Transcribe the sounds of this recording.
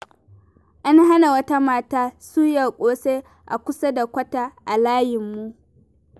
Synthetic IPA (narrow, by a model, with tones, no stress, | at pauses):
ʔa˦nɦa˦na˨wɐ˦ta˦maː˦˨taː˦su˦ja˨kʷʼoː˦se˦ | ʔa˨kʷʊ˦sa˦da˨kʷɐ˦ta˦ʔa˨laː˦jɪ˨mːu˦ʔ